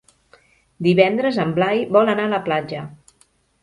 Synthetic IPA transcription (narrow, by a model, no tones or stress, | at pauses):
d̪iβɛnd̪ɾəzəmblajβɔlənaələplad͡ʒə